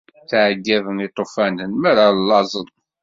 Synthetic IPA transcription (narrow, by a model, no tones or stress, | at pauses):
θʕɡːævənit̪ˤːofænənmæɾalːɑzˤənˤ